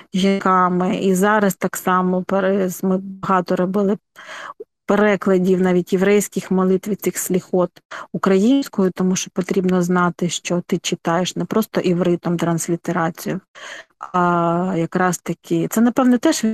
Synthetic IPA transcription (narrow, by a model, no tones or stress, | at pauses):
ʒʲinkɑmɪizɑɾɐst̪ɑksɑmɔpeɾɛsmɪbɐɦɑt̪ɔɾɔbɪlˠɪ | peɾɛklˠɐdʲiwnɑʋʲitʲjeʋɾɛjsʲkɪxmɔlˠɪt̪ʋʲid̪̚ʲsɪxsʲlʲixɔt̪ukɾɐjinʲsʲkɔjʊt̪ɔmuʃt͡ʃɔ̥pɔt̪ɾʲibnɔznɑt̪ɪʃt͡ʃɔt̪ɪt͡ʃɪt̪ɑjeʃnɛpɾɔst̪ɔʔiwɾɪt̪ɔmt̪ɾɐnsʲlʲit̪eɾɑt͡sʲijʊ | ɑjɐkɾɑst̪ɐkʲʰɪt̪sɛnɐpɛwnɛt̪ɛʃ